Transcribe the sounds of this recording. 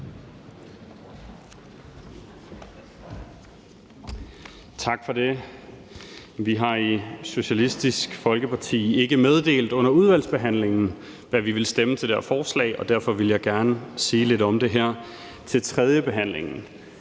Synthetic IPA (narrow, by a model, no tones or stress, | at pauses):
t͡sʰɑ̈ɡ̥fɒ̽de̝ | ʋiɦɑ̈iso̝ɕælisd̥isɡ̥fɒ̽lɡ̥əpʰɑ̈t͡sʰḭːe̝ɡ̥əmeð̞ˠd̥e̝̰ːld̥ɔ̽n̰ɐuð̞ˠʋæl̰sb̥e̝ɦæn̰le̝ŋn̩ | ʋæʋiʋe̝lsd̥emət͡sʰe̝d̥æɐfɒːslɛ̰ɪɒ̽d̥æɐfɒ̽ʋe̝ljɑ̈ɪɡ̥æɐnəsiːle̝ɾɒ̽md̥e̝ɦæɐ̰ | t͡sʰe̝lt͡sʰʁɛð̞ˠjəb̥e̝ɦæn̰leŋn̩